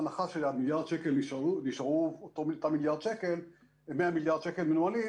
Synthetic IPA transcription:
naχaʃelamiljaʁd̪ʃekelniʃuniʃaʁuot̪omilt̪amiljaʁd̪ʃekel | meamiljaʁd̥̪ʃekelmenuali

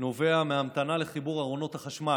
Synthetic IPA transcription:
no̞ve̞ameɦamt̪anale̞χibuʁaʁo̞no̞thaχaʃma

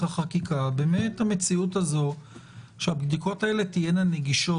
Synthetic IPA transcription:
aχakikabemethame̞t͡siutazo̞ | ʃeabd̪iko̞tae̞le̞tijenaneɡiʃo

